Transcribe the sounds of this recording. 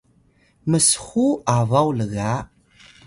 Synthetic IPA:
məsxuavawləɣa

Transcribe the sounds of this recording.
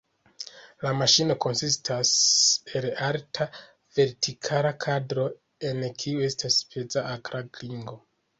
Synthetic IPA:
lamaʃino̞ko̞nsistʰase̞laltʰa | ve̞ɾtʰikʰalakʰadɾo̞ | e̞nkʰiue̞staspet͡saakɾaɡliŋɡo̞

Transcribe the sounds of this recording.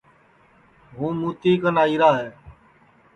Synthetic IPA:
ɦũːmũːt̪iːkənaːiːɾaːɦeː

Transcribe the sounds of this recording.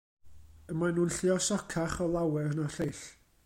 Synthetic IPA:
əmajnuːnɬɪɔsɔkʰaχɔlˠawɛrnaɬejɬ

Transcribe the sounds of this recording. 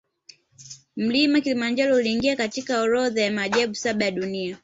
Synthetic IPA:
m̩limakilimand͡ʒɔlɔuliːŋɡiakatikaɔɾɔðajamaʄaɓusaɓajaɗunia

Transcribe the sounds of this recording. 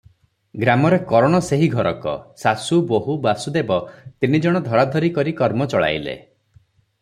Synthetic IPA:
ɡɾamɔɾekɔɾɔɽ̃ɔseɦiɡʱɔɾɔkɔ̰sasuboɦubasud̪ebɔt̪inid͡ʒɔɽ̃ɔd̪ʱɔɾad̪ʱɔɾikɔɾikɔɾmɔt͡ʃɔɭa̰jlḛ

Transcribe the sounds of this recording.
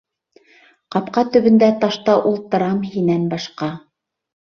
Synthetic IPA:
qɑpqɑt̪ɵ̆βɵ̆nd̪æt̪ɑʃt̪ɑʔulˠt̪ɤ̆ɾɑmhinænbɑʃqɑ

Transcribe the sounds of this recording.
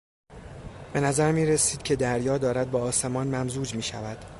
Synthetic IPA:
b̥e̞næzæɾmiːɾe̞siːd̪̚cʰe̞d̪æɾjɒːd̪ɒːɾæd̪̚bɒːse̞mɒːnmæmzuːd͡ʒmiːʃævæd̪̥

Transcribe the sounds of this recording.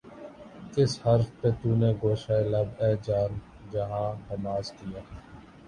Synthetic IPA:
kɪshəɾfpeːt̪uːneːɡoːʃaːelɐbɛːd͡ʒaːɾm | d͡ʒɐɦãːɦəmaːzkijaː

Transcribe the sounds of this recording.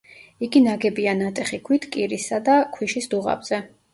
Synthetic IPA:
iɡinaɡɛbianat̪ʼɛχikʰwit̪ʰkʼiɾisad̪akʰwiʃisd̪uʁa̰bz̥ɛ

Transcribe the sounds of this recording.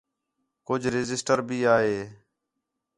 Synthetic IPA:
kʊd͡ʒʱɾɪzɪsʈəɾbʱiːaːɦeː

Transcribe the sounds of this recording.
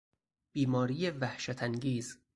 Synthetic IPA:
b̥iːmɒːɾijevæhʃæt̪ʰæŋɡiːz

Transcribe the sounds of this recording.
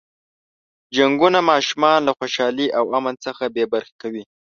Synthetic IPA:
d͡ʒaŋɡunamɑʃumɑnlaxoʃɑliʔawamant͡səxabebaɾxe̥kawi

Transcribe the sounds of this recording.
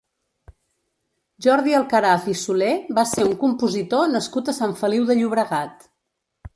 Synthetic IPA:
ʒɔɾðiəlˠkəɾafisulebaseuŋkumpuzit̪onəskut̪əsaɱfəliwðəʎuβɾəɣat̪

